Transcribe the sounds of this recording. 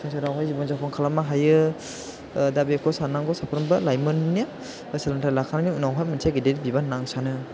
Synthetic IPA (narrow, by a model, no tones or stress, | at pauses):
sʰɯŋsʰaɾawɦajzibɔŋzakʰɔŋkʰalamaɦajɯ | dabekʰɔsanaŋɡɔsapʰɾɔmbɯlajmɯnna | salantʰalakʰanniunawɦajmɯnsʰaɡideɾbibanaŋsanɯ